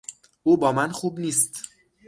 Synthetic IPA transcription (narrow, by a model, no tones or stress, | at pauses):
ʔuːbɒːmænxuːbniːst̪